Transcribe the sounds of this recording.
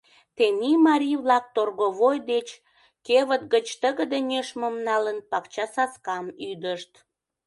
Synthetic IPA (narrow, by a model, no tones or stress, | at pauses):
t̪enimɑɾʲiβlɑk̚t̪orɣoβojd̪et͡ɕ | keβət̪̚ɡət͡ɕt̪əɣəd̪ənʲeʃməmnɑlənpɑkt͡ɕɑsɑskɑmyd̪əʃt̪